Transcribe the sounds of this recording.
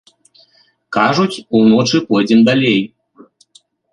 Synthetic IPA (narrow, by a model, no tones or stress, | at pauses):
kaʐut͡sʲunɔt͡ʂɨpɔd͡zʲind̪alʲej